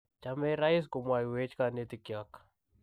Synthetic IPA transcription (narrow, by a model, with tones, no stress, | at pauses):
t͡ʃamɛ˦ɾa˦i˦s̬ko˨mwa˨ji˨we˦t͡ʃka˨ne˦tɪ˨kja˦k